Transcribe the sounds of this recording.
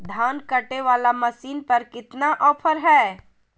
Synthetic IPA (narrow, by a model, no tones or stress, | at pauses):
d̪ʱaːnkɐʈeʋaːlamɐsiːnpɐɾkɪt̪naʔɔːpʰəɾɦɛː